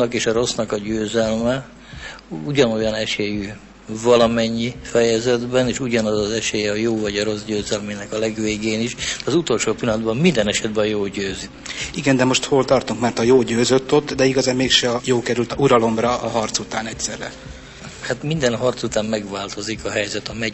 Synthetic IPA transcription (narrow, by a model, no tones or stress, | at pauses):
ɒkeːʃɒɾo̞snɒkɒɟøːzɛlmɛ | uɟɒno̞jɒnɛʃeːjy | vɒlɒmɛɲːifɛjɛzɛd̪bɛneːʃuɟɒnɒzɒzɛʃeːjɛɒjoːvɒɟɒɾo̞sɟøːzɛlminɛkɒlɛɡʋeːɡeːniʃd̪̥ɛɒzut̪o̞lʃoːpilːɒnd̪bɒmmind̪ɛnɛʃɛd̪bɛjoːlɟøːzi | iɡɛnd̪ɛmo̞ʃt̪ho̞lt̪ɒrt̪uŋkmɛrt̪ɒjoːɟøːzøt̪ːot̪ːd̪ɛiɡɒzaːmmeːkʃɛɒjoːlkɛɾylt̪uɾɒlo̞mrɒʔɒɦɒrt̪sut̪aːnɛcsɛrːɛ | hat̪mind̪ɛnɦɒrt̪sut̪aːmmɛɡʋaːlt̪o̞zikɒɦɛjzɛt̪ɒmɛ